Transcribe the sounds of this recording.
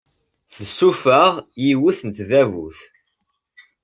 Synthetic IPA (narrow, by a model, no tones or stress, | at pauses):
θəsːufəʁjiwuθənt̪ðævṵθ